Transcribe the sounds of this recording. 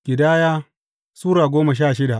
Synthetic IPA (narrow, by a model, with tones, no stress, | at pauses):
ɡ̥ʲɪ˨daː˦jaː˦ | suː˦ɾaː˨ɡʷoː˦ma˨ʃ̬aː˦˨ʃɪ˦da˨ʔ